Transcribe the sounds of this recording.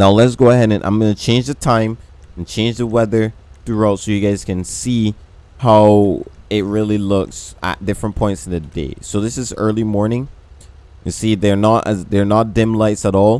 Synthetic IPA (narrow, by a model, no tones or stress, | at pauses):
naʊlɨts̬ɡ̥oʊəhɛɾɨ̃nʔã̰ɪ̃mɡʌnɨt͡ʃʰẽɪ̃nd͡ʒðɨtʰãɪ̃m̃n̩t͡ʃʰẽɪ̃nd͡ʒðəwɛðə˞θɹuaʊtsoʊjɨɡaɪz̥kɨ̃nsi | haʊɪt̚ɹɪlˠilʊksə̰t̚d̥ɪfɹə̃npʰɔ̃ɪ̃ntsn̩ðɨdḛɪsoʊðɪsɨzɜ̰˞lˠimɔɹnɪ̃ŋ | ɨ̃siðə˞nəɾʔəðə˞nət̚d̥ɪ̃mlaɪtsəɾɔlˠ